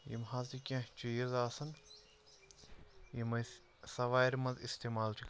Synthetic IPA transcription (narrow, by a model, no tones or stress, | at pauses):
jḭmɦaːzikʲɐ̃ɦt͡ʃijizaːsɐn | jimɐj | sɐʋaːjɾmɐzist̪eːmaːlt͡ʃʰik